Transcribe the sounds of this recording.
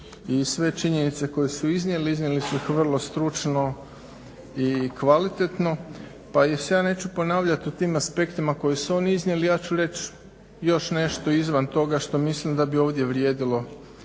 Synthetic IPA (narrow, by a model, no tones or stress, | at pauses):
isʋe̞t͡ʃiɲe̞nit̪se̞ko̞jesuiznʲje̞leiznʲjelisuxʋr̩lˠo̞st̪ɾut͡ʃno̞ | ikʋalit̪e̞t̪no̞ | pajesejaːne̞ːt͡ɕupo̞naːʋʎat̪ut̪iːmaspe̞kt̪imako̞jisuo̞ːniiznʲje̞lijaːt͡ɕuɾe̞t͡ɕ | jo̞ʃne̞ʃt̪o̞izʋant̪o̞ɡaʃt̪o̞mislimd̪abio̞ːʋd̪je̞ʋɾjeːd̪ilˠo̞